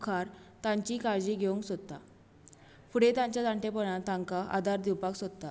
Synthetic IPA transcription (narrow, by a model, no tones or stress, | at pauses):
kʰaɾt̪ãɲt͡ɕiːkaɾd͡ʑiɡʱeuŋksod̪̚t̪ːa | fuɽet̪ãɲt͡ɕjat̪aɳʈepəɽ̃ãt̪ãŋkaʔa̰d̪ʱaɾd̪iwpaksod̪̚t̪a